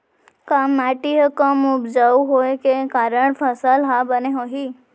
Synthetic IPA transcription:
kamːaʈiɦəkəmupd͡ʒauɦojkekaɾəɳfʰəsalɦabəneɦoɦi

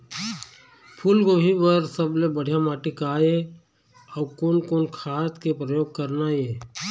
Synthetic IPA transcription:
pʰulɡoːbʱibəɾsəblebəɽ̤ijamaːʈikaːe | ɔːɾkoːnkoːnkʰaːt̪kepɾəjoːɡ̚kəɾnae

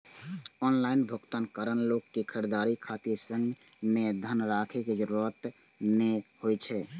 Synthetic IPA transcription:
ɔnlainbʱokt̪ənkəɾənlokːekʰəɾd̪aɾikʰat̪iɾsə̃ŋɡmed̪ʱənɾakʰeked͡ʒəɾuɾət̪ | mehojt͡ʃʰɛ

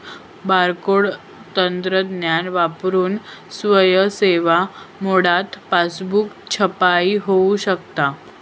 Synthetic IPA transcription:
baɾkoɽ | t̪ənt̪ɾəd̪njanʋapɾuːnsʋəjəseʋamoɽat̪pasbukt͡ɕʰəpaiɦouɕəkt̪a

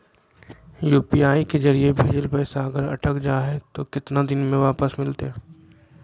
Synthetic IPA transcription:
juːpiaːikezɐɾiebʱeːd͡ʒəlpɛːsaɐɡəɾɐ̰ʈʰəkd͡ʒaːɦɛt̪okɪt̪nad̪ɪnmẽʋaːpəsmɪlt̪eɦɛː

